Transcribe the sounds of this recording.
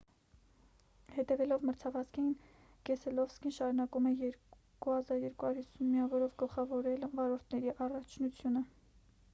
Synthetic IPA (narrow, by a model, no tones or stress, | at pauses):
hɛt̪ɛvɛlɔvməɾt͡sʰɑvɑt͡skʰɛjin | kɛsɛlɔvskinʃɑɾunɑkumɛjɛɾ | kuhɑzɑɾjɛɾkuhɑuɾhisunmiɑvɔɾɔvɡəlχɑvɔɾɛlvɑɾɔɾt̪ʰnɛɾiʔɑrɑt͡ʃʰnut͡sʰjunə